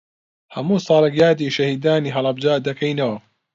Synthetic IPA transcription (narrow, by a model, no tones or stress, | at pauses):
hɐmuːsˤɑːlɐɡjaːd̪iːʃɐhiːd̪aːniːɦɐlɐbd͡ʒaːd̪ɐkʰɐjnɐwɐ